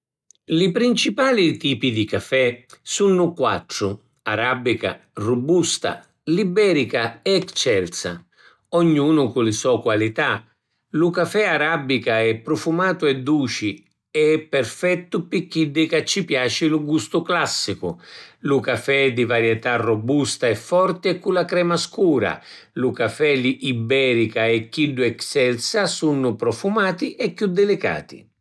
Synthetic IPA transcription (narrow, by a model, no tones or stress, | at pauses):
lipɾint͡ʃipaːlit̪iːpid̪ikafɛsunːʊkwa̰t̪ːɾʊ | aɾabːika̰ | rubust̪a̰ | libɛːɾikaɛkt͡ʃːɛlt̪sa̰ | ɔɲːuːnʊkʊlɪsɔkwalit̪a | lukafɛaɾabːikaɛpːɾɔfumaːt̪ʊɛd̪ːuːt͡ʃi | ɛɛpːɛrfɛt̪ːʊpɪkːiɖːɪkat͡ʃːipjaːt͡ʃilʊɡust̪ʊklasːikʊ̰lukafɛd̪ivaɾjɛt̪arːɔbust̪aɛfːɔrt̪ɪɛkːulakɾɛːmaskuːɾa̰ | lukafɛliʔibɛːɾikaɛkːiɖːʊɛksɛlsasunːʊpɾɔfumaːt̪iʔɛkːud̪ːɪlɪka̰ːt̪ḭ